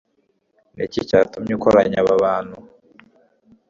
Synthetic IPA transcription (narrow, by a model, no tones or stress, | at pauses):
necicatumɲukoɾaɲaβaβaːnu